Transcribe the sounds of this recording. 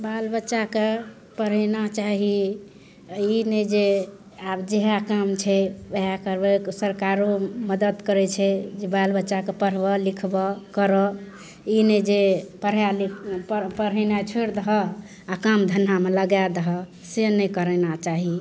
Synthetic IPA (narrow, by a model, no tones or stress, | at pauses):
balbətːʃake | pəɾ̤ɛnat͡ʃaɦi | ined͡ʒe | abd͡ʒeɦakamt͡ʃʰɛeɦakəɾbeksəɾkaɾoməd̪əd̪kəɾɛt͡ʃʰɛd͡ʒebalbətːʃakepəɾ̤bəlikʰbɔkəɾɔ | ined͡ʒepəɾ̤jalipəɾɛnat͡ʃʰoɽd̪əɦɔ | akamd̪ʱənːameləɡad̪əɦɔ | senəkəɾɛnat͡ʃaɦi